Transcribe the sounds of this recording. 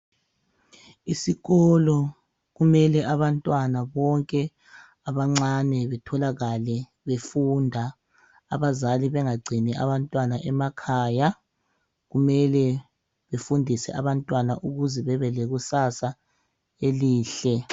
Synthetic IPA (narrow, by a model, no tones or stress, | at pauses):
isiɣɔlɔ | ɣumɛlɛʔaβantʼwanaβɔŋkʼɛ | aβaŋ͡ǀanɛβɛtʰɔlaɣalɛ | βefuːndʱa | aβazaliβɛŋaɡ͡ǀʱiniʔa̰βantʼwanaʔɛmakʰaːja | ɣumɛlɛ | βefundʱisɛ̰aβantʼwanaʔuɣuzɛβɛβɛleɣusasa | eliːɬɛ